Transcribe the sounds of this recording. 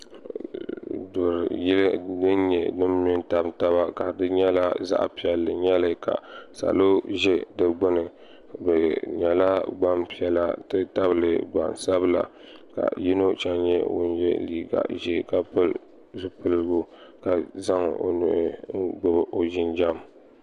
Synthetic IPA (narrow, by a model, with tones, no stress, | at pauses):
do˨ɾji˦ldɨ˦n˦ɲɛ̰˨nɨ˦m˦mi˦n˦ta˨bta˦βa˦ka˨dɨ˦ɲɛ˦la˦za̰˦ʔpi˨ɛ˨lːɨ˨ɲɛ˦lɨ˦ka̰˨sa̰˨lo˦ʒɛ˦dɨ˦ɡ͡bɨ˦nɨ˨ | bɨ˨ɲɛ˨la˦ɡ͡ba˦mpi˦ɛ˨la˦tɨ˦ta˦bɨ˨lɨ˨ɡ͡ba̰˨n˨sa˦bɨ˦la̰˨ka̰˨ji˦no˦t͡ʃa˦nɲɛ˦wʊ̰˦n˦jɛ̰˦liː˨ɡa̰˨ʒɛ˦ka˦pɨ˦l | zʊ˨pɨ˦lɡo˦ka˨za˦ŋo̰˨nʊ̰˨ʔɪ˦ɡ͡bʊ˦bɨ˨ʔo˨ʒɪ˦nd͡ʒa˦m